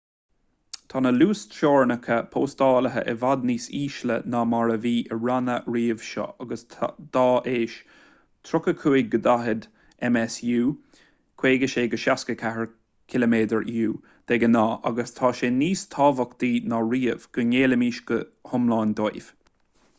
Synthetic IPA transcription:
t̪ʰɑːnəluːsʃoːɹnəkʰəpʰoːst̪ɑːləɦə̰ʔɛvad̪niːsiːʃlə̰namaɹəviːʔəɹanəɹiːəv̥ʃɔ̰ʔaɡəstʰd̪̥ɑːʔeːʃ | t̪ʰɾʊkəkʰuːɪɡəd̪aɦəd̪ | ɛmɛsjuː | kʰw̥eːɡəʃeːɡəʃaskəkʰaɦəɹ | kʰɪlomeːd̪əɹuː | d̪̥ɛɡənɑːʔa̰ɡəst̪ʰɑːʃeːniːst̪ʰɑːvəkd̪̥iːnaɹiːəv̥ɡ̥əneːləmiːʃɡ̥əhʊmlɑːnd̪ojv̥

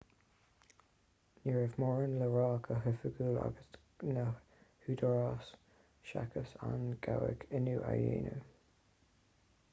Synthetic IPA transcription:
niɹəvmɔːɹənləɹɑːkʰəɦəfəɡuːla̰ɡəs | nə | hudɔɹas | ʃa̰kʰəsanɡ̥awɪ̰kʰɪnuʔa̰jeːnə

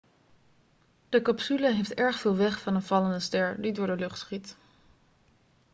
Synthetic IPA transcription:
d̥əkɑpsyləɦejftɛɹχfɪːlˠʋɛχfɑnənv̥ɑləndəstɛɹdidʊːɹdəlɵχtχit

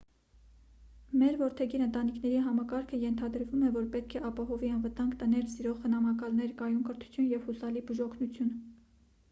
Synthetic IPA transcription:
mɛɾvɔɾt̪ʰɛɡiɾənt̪ɑnikʰn̪ɛɾiɦɑmɑkɑɾkʰəjɛnt̪ʰɑd̪əɾvumɛvɔɾpɛt̪̚kʰɛʔɑpɑɦɔviɑnvət̪ɑŋɡt̪ənɛlsiɾɔʁχənɑmɑkɑlnɛɾkɑjumkəɾt̪ʰu̥t͡sʰjunjɛvhusɑlibuʒɔkʰnut͡sʰjun

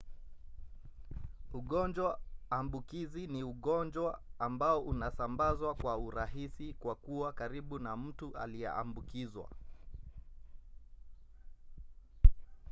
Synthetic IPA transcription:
uɠɔnd͡ʒwaambukiziniuɠɔnd͡ʒwaːmbaɔʔunasambazwakwauɾaɦisikwakuwakaɾiɓunam̩tuʔa̰lijɛ̰ʔa̰mbukizwa̰

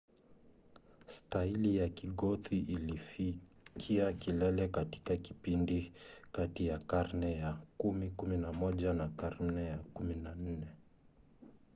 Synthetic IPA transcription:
stailijakiɠɔtiʔilifi | kʰiakilɛlɛkati̥kaki̥pindikatijakaɾnɛjakumikuminamɔʄanakaɾnɛjakuminan̩nɛ

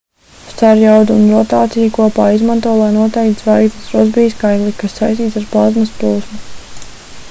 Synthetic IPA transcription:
st̪aɾjawd̪uːnɾɔt̪aːt̪sijakuɔpaːizmant̪uɔlˠajnuɔt̪ɛjkt̪svajkt̪asɾɔzbijskajklˠikasːajst̪iːt̪saɾpazmɐsplˠuːsmu

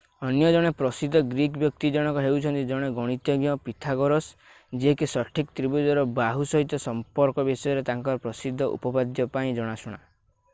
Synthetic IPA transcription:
ɔnjɔd͡ʒɔɽ̃epɾɔsid̪ʱːɔɡɾikbjɔk̚t̪id͡ʒɔɽ̃ɔŋkɔɦewt͡ʃʰɔnt̪id͡ʒɔɽ̃eɡɔɽ̃it̪jɔɡjɔpit̪ʰaɡɔɾɔs | d͡ʒeekesɔʈʰikt̪ɾibud͡ʒɔɾɔbaɦusɔɦit̪ɔsɔmpɔɾkɔbisɔjɔɾet̪aŋkɔɾɔpɾɔsid̪ʱːɔʔṵpɔbad̪jɔpaĩd͡ʒɔɽ̃asɔɽ̃a

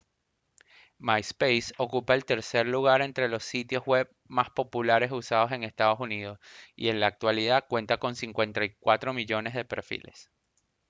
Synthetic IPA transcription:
majspejso̞kupaelt̪e̞ɾse̞ɾluɣ̞aɾe̞nt̪ɾe̞lo̞sːit̪jo̞zɣwe̞β | maspo̞pulaɾe̞susaðo̞se̞ŋe̞st̪að̞o̞sunið̞o̞sḭe̞nlaːk̚t̪waliðakwe̞nt̪ako̞nsiŋkwe̞nt̪ajkwat̪ɾo̞miʝo̞ne̞zðe̞pe̞ɾfḭle̞̰s

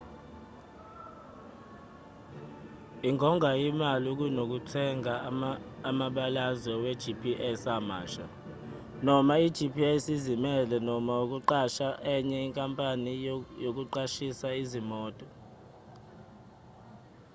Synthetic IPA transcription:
iŋʱɔŋʱaimaluk̬ujnok̬utʰɛŋʱaː | maɓalazwɛwɛd̥ʒ̥ʱipʰiʔɛsama̰ːʃa̰ | nɔmaid̥ʒ̥ʱipʰiɛsizimɛlɛnɔmauk̬uǃaʃaʔɛɲɛiŋkʼampʼanijok̬uǃaʃisaizimɔːtʼɔ

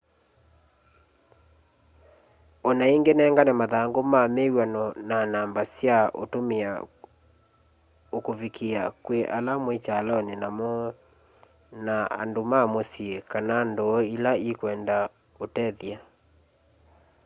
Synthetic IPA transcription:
ɔnaiŋɡenɛːŋɡanamaðaŋɡomamewanɔnanambasjaʔo̰tomea | okovikʰiakweʔalamwet͡ʃaːlaɔnenamɔ | naa̰ndomamosiekanandɔilaikwɛnda | otɛðja

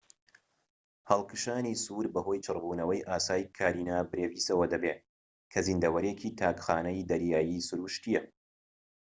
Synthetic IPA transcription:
hɐlˠkʰɨʃaːnisuːɾbɐho̞jt͡ʃʰɨrbuːnɐwɐjʔaːsaːjkʰaːɾiːnaːbɨɾeːviːsɐwɐd̪ɐbeːt̪ | kʰɐzind̪ɐwɐɾecʰit̪ʰaːkxaːnɐjd̪ɐɾjaːjiːsɨɾuʃt̪ijɛ

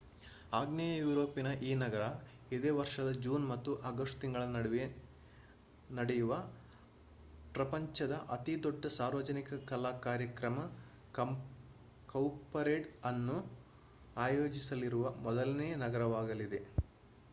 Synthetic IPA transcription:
aːɡnejɐjuːɾo̞ːpinɐʔiːnɐɡɐɾɐ | id̪eːʋɐɾʂɐd̪ɐd͡ʒuːnmɐt̪ːuʔɐɡɐsʈt̪iŋɡɐɭɐɽ | nɐɽejuʋɐ | pɾɐpɐɲt͡ʃɐd̪ɐʔɐt̪id̪ɔɖːɐsaːɾʋɐd͡ʒɐnikɐkɐlaːkaːɾjɐkɾɐmɐ | kɐwpɐɾeːʈɐnːu | aːjo̞ːd͡ʒisɐliɾuʋɐmɔd̪ɐlnɛjɐnɐɡɐɾɐʋaːɡɐlid̪e̞

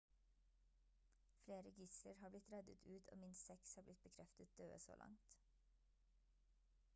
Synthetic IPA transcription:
fleːɾəɡɪsləɾhɑːblɪt̪ɾɛd̪ət̪ʰʉːt̪ʰo̰ːmɪnssɛkshɑːblɪt̪̚bəkʰɾɛft̪ət̪̚d̪̥øːəso̰ːlʔɑ̰ŋt̪

